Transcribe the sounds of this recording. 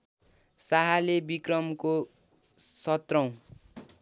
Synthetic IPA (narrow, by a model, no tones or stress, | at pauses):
saɦalebikrʌmko | sʌt̪rʌw̃